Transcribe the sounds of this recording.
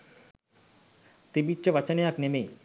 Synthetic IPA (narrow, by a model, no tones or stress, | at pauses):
t̪ebit͡ɕebat͡ɕanejaknemej